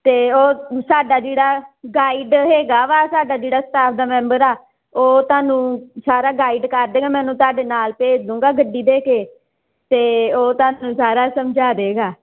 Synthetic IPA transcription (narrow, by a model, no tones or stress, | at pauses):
t̪eːoːsaːɖaːd͡ʒeːɽaːɡaːiɖɦeːɡaːʋaːsaːɖaːd͡ʒeːɽaːsə̥t̪aːpʰd̪aːmɛ̃ːmbəɾaː | oːt̪ʊaːnũːsaːɾaːɡaːiɖkəɾd̪eːɡaːmɛ̃ːnũːt̪ʊaːɖeːnaːlpeːd͡ʒd̪ũːŋɡaːɡəɖːiːd̪eːkeː | t̪eːoːt̪ʊaːnũːsaːɾaːsəmd͡ʒaːɾeːɡaː